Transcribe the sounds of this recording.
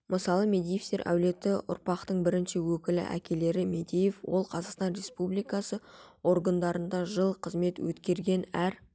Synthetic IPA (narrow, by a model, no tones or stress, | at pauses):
mʔəsɑlˠəme̞d̪ijeft̪e̞ɾʔæ̰wle̞t̪ɪʔʊ̰ɾpɑqt̪əɴbɪɾɪnʃɪwɵkʲɪlɪ̰ʔæ̰kʲe̞le̞ɾɪmed̪ʲejefwo̞lˠqʰɑzɑqst̪ɑnɾe̞spublijkɑsəo̞ɾɡand̪ɑɾənd̪ɑʒəlˠqʰəzme̞t̪wɵt̪kʲe̞ɾɡʲe̞næɾ